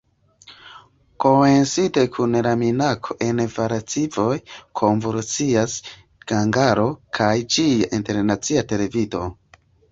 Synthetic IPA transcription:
ko̞mensitekʰunɾaminakʰoʔe̞nvaɾat͡sivo̞jkʰo̞ɱvuɾt͡sias | ɡ̥aŋɡaɾo̞kʰajd͡ʒiaʔinte̞ɾnat͡siate̞le̞vido̞

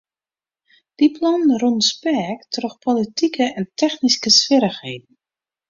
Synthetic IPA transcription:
d̥ipʰlɔnrɔnspɛːktrɔxpʰolitikəɛntʰɛxniskəsfɪɾəxheːdən̩

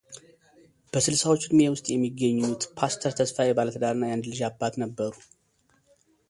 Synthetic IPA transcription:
b̥əsɨlsawo̞t͡ʃːd̪mewʊst̪ʼjɛmːiɡːəɲːut̪pʰast̪ʰəɾt̪ʰəsfajɛbalət̪ʰəd̪aɾɨnːajand̪lɨʒabːat̪nəbːəɾu

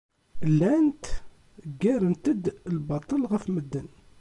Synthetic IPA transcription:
lænt̪ | ɡːæɾənt̪əd̪əlbɑt̪ˤəlɣæfməd̪ːən

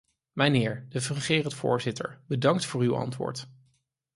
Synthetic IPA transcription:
mənɪːɹdəfrəχɪːrətfʊ̰ːɹzɪtə̰ɹbədɑŋktfʊːɹywɑ̰ntʋʊ̰ːɹt

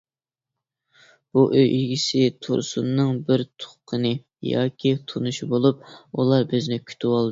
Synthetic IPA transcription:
b̥uʔøjʔiɡʲisɪt̪ʰṵɾsṵnːɨŋbɪɾt̪ʰʊ̥χqʰənɨ | jɑ̰ːkʲʰit̪ʰunɨʃibolˠup̚ulˠɑɾbøznɪkʲʰy̥t̪ʰɪwɑlˠd̪

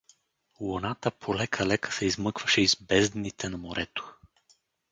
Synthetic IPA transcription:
lonat̪əpʰolɛkʰɐlɛkə̥sɛizmɤkvɐʃɛizbɛzd̪nit̪ʰɛnɐmoɾʔɛt̪o̥

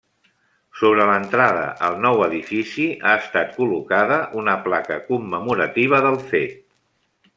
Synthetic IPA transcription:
soβ̞ɾələnt̪ɾaðə̰ʔəlˠnɔwəðifisiaəst̪at̪̚kulukað̞əʔunəplakəkumːəmuɾət̪iβ̞əðəlˠfet̪̚

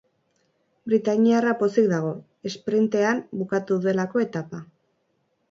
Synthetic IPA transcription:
bɾit̪aɲiarapo̞sik̚d̪aɣ̞o̞ | e̞spɾint̪e̞ambukat̪uðue̞lako̞e̞t̪apa

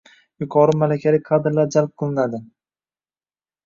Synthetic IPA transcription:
jʊqʰɒɾɪmalakʲʰalɪqʰɑd̪ɪɾlaɾd͡ʒalp̚qʰɨlˠɪnad̪ɪ

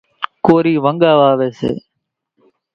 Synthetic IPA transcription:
koːɾiːʋəŋɠaːʋaːʋeːsḛː

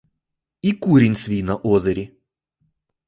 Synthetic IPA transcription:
ikuɾʲɪnʲsvʲinɐʔɔzɐɾʲi

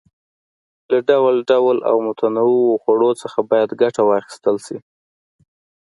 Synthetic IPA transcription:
laɖawlɖawla̰wmʊt̪ʰanawiwoxwaɽot͡səxabɑjad̪ɡaʈawɑxɪ̥st̪əlʃi

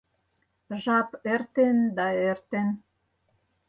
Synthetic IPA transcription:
ʒɑpert̪end̪ɑert̪en

